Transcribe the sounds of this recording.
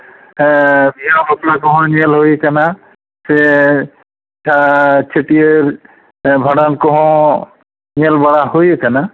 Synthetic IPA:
bʱiɦabɔplakɔɦɔ̃nelɦojkana | se | tʰat͡ʃʰeʈieɾ | bʱaɽankɔɦɔ̃ | nelbaɽahojekana

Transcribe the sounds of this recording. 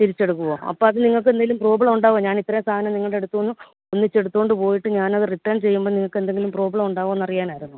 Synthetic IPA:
t̪iɾit͡ɕːe̞ɽukːuʋo̰ːɐ̰pːoːɐðɨniŋːɐɭk̬ɨed̪aːilumpro̞ːbɐɭɐmuɳɖaːʋoɲaːnit̪ːɐest̪ʰaːɐnɐmniŋːɐɭɽe̞ɽut̪ːuʋonːɨ | onːit͡ɕːe̞ɽut̪ːuɣoɳɖɨpo̞ːjiʈːɨɲaːnɐðɨriʈːɐːnt͡ɕe̞jːumboːniŋːɐɭkːend̪e̞ŋɡilumproːbɐɭɐmuɳɖaːɣʋɐenːɐrijaːnaːjiɾunːu

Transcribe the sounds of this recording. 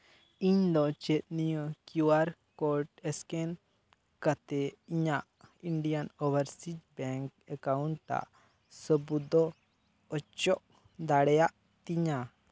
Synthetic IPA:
iɲd̪ɔt͡ʃɛt̪̚nijəkjuaɾkɔɾʈɛskɛn | kat̪ɛiɲaʔ | iɳɖijanɔbəɾsid͡ʒbɛ̃ŋkɛkauɳʈt̪a̰ʔ | səbud̪ɔ | ɔt͡ʃɔʔ | d̪aɽɛjaʔ | t̪iɲa

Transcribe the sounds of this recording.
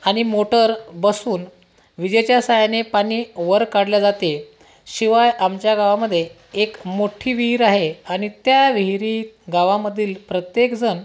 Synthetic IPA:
aɽ̃imoʈəɾbəsuːn | ʋid͡ʑət͡ɕjasajanepaɽ̃iːʋəɾkaɽljad͡zat̪e | ɕiʋajamt͡ɕjaɡaʋaməd̪ʱːje | ekmoʈʰiːʋiɦɾaɦeaɽ̃it̪jaʋiɦiɾiːɡaʋaməd̪ʱiːlpɾət̪jekd͡zən

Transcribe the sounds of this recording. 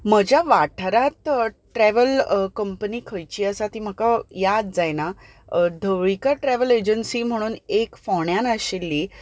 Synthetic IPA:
məd͡ʑjaʋaʈʰɾat̪ | ʈɾɛʋəlkəmpəniːkʰəjt͡ɕiːəsat̪iːm̤əkajad̪d͡zajna | d̪ʱəʋɭikaʈɾɛʋəled͡ʑənsiːm̤əɽ̃uːnekfɔɳjanəɕelːiː

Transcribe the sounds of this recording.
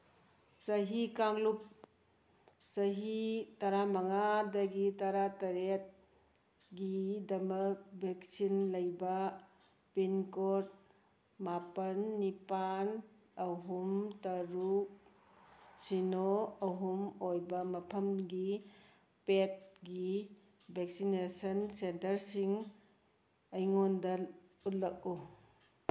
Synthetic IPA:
sɐɦikaŋlup̚ | sɐɦitɐɾamɐŋadɐɡitɐɾatɐɾet̚ | ɡidɐmɐkbʱek̚sinlɐjbɐ | pinkot̚ | mapɐnːipan | ɐɦumtɐɾuk̚ | sinoɐɦumojbɐmɐpʰɐmɡi | pep̚ɡi | bʱek̚sinesɐnsentɐɾsiŋ | ɐjŋondɐ | ut̚lɐk̚u

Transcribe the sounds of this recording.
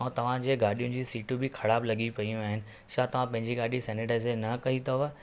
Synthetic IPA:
t̪ɐʋ̤ãd͡ʑeːɡaːɗijʊ̃nd͡ʑiːsiːʈubɪkʰɐɽaːblɐɠipɐijũaːɦɪnɪ̆ | ʃaːt̪ɐʋ̤ãpɐ̃ɦɪ̃ɲd͡ʑiɡaːɗisɛːneʈazenɐkɐɦit̪ɐʋ

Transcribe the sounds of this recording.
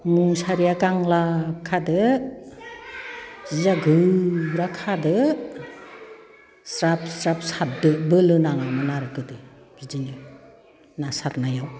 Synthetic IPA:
muŋsaɾijakaŋlakʰadɯ | z̥izaɡɯɾakʰadɯ | sɾap̚sɾapsat̚dɯbɯlɯnaŋamɯnaɾɯkɯdɯ | bid͡ʒinɯ | nasatnajaw

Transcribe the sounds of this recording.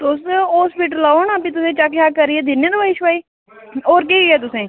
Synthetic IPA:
t̪ʊsoːspɪʈlːaːonapiːt̪ʊsẽːt͡ʃakjaːkəɾiːɛːd̪ɪnːẽːd̪oaɪʃʋaːiː | oːɾkiːɛːt̪̬ʊsẽː

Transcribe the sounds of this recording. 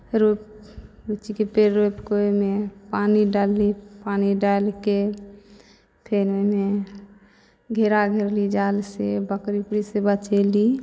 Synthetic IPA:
ɾop | bit͡ʃikepeɾːopkoemepaniɖalːipaniɖalke | pʰeɾome | ɡʱeɾaɡʱeɾlid͡ʒalsebəkɾipɾisebət͡ʃɛli

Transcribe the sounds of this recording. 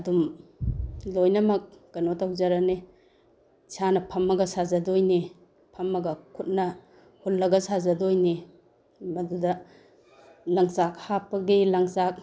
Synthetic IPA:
ɐdum | lojnɐmɐk̚kɐnotawzaɾɐne | sʰanɐpʰɐmɐɡɐsazɐdojni | pʰɐmːɐɡɐkʰut̚nɐ | hulːɐɡɐsazɐdojni | mɐdudɐ | lɐŋsak̚hapɐɡilɐŋsak̚

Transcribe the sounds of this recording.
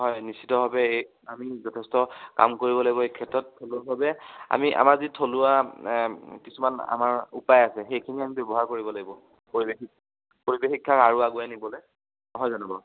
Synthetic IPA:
ɦɔjnisitɔbʱabɛ | amizɔtʰɛstɔka̰mkoɹibɔlaɡibɔekʰɛtɹɔtʰːolʊabʱabɛa̰miʔa̰maɹzitʰolʊa | kisumana̰maɹṵpajasɛxejkʰiniamibɔbɔɦaɹkoɹibɔlaɡibɔ | poɹibexik̚ | poɹibexikʰːakaɹuaɡujanibɔle | ɔɦɔjzanɔbɔ

